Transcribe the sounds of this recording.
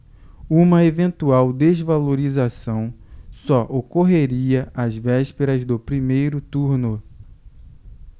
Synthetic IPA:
ũmɐevẽnt̪uawd̪ezvaloɾizasɐ̃w̃sɔʔokoɦeɾiɐʔazvɛʃpeɾɐzd̪ʊpɾimejɾʊt̪uɾnʊ

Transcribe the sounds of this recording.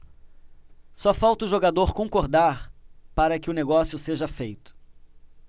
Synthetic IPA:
sɔfawt̪ʊʒoɡad̪oɾkõkoɾd̪aɾpaɾɐkɪʊneɡɔsjʊseʒɐfejt̪ʊ̥

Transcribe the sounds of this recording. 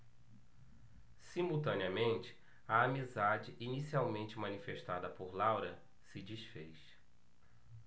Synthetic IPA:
simuwt̪ɐ̃niɐmẽnt͡ʃɪ̥ | ɐːmizad͡ʒɪʔinisiawmẽnt͡ʃɪmɐ̃nifeʃt̪ad̪ɐpoɾlawɾɐ | sɪd͡ʒisfejʃ

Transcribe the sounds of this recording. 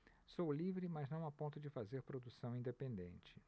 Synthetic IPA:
sowlivɾɪmɐznɐ̃w̃apõnt̪ʊd͡ʒɪfazeɾpɾod̪usɐ̃w̃ĩnd̪epẽnd̪ḛ̃nt͡ʃɪ̥

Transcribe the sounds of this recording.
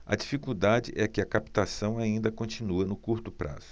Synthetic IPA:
ɐ̰d͡ʒifikud̪ad͡ʒɪ̰ʔɛkɪɐkapi̥t̪asɐ̃w̃aĩnd̪ɐkõt͡ʃĩnuɐnʊkuɾt̪ʊpɾʔa̰z̥ʊ̥

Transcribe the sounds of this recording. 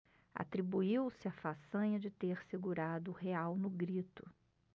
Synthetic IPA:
a̰t̪ɾibuiwsɪafasɐ̃ɲɐd͡ʒɪt̪eɾsɪɡuɾad̪ʊheawnʊɡɾit̪ʊ

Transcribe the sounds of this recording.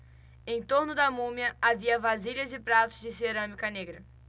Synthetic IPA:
ẽj̃t̪oɾnʊd̪ɐmũmjɐaviɐvaziʎɐzɪpɾat̪ʊzd͡ʒɪseɾɐ̃mikɐneɡɾɐ

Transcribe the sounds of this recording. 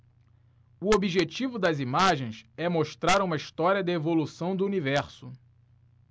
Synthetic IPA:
ʊobiʒet͡ʃivʊd̪ɐzimaʒẽj̃sɛmoʃt̪ɾaɾũmɐiʃt̪ɔɾiɐd̪ɪevolusɐ̃w̃d̪ʊunivɛɾsʊ

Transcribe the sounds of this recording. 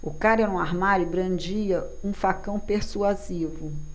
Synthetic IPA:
ʊkaɾɛɾũaɾmaɾʊbɾɐ̃nd͡ʒiɐ | ũfakɐ̃w̃peɾsuazivʊ

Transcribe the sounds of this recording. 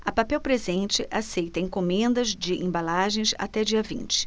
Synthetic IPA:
ɐpapɛwpɾezẽnt͡ʃɪʔasejt̪ɐẽkõmẽnd̪ɐzd͡ʒɪʔẽbalaʒẽj̃sa̰t̪ɛd͡ʒiɐvḭ̃t͡ʃɪ̥

